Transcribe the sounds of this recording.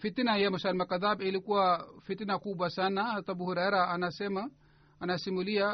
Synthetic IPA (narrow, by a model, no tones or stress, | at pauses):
fit̪inajamusalmakaðabilikuwafit̪inakubwasanahat̪abuhuɾaɛɾaːnasɛmaː | nasimulia